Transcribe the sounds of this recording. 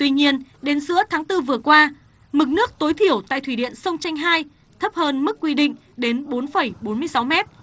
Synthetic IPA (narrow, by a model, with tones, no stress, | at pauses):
t̪wi˧ɲi˧ənɗe˨˦nsɨ̰˧˥ət̪ʰaː˨˦ŋt̪ɨ˧vɨ˨˩əkwaː˧ | mɨ˨˩k̚nɨ˦˥ək̚t̪o˨˦jt̪ʰi˧˩əwt̪a̰ː˧˨t̪ʰwi˧˩ɗḭ˧˨ənsə˧wŋ͡mt͡ɕa˧jŋ̟ɦaː˧j | t̪ʰə˦˥p̚həː˧nmɨ˦˥kːwi˧ɗḭ˧˨ŋ̟ | ɗe˨˦nɓo˨˦nfə˧˩jɓo˨˦nmɨ˧əjsa˨˦wmɛ˦˥t̚